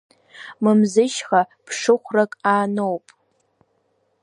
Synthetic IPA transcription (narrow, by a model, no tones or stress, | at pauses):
mɨmzɨʃχapʰʂɨχʷrakʼaːnowpʼ